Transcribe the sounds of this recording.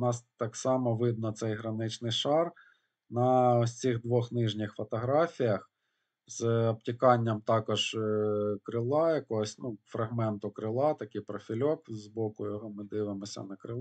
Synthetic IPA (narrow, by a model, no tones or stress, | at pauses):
nɑst̪ɑksɑmɔʋɪd̪̚nɐt̪sɛjɦɾɐnɪt͡ʃnɪjʃɑr | nɐsʲt͡sʲiɣd̪ʋɔxnɪʒnʲɪxfɔt̪ɔɦɾɑfʲijɐx | zɔb̚tʲikɑnʲːɐmt̪ɑkɔʒ | kɾɪlˠɑjɐkɔɦɔsʲnufɾɐɦmɛnt̪ʊkɾɪlˠɑt̪ɐkɪjpɾɔfʲilʲɔkzbɔkʊjɔɦɔmɪd̪ɪʋɪmɔsʲɐ̰nɐkɾɪlˠ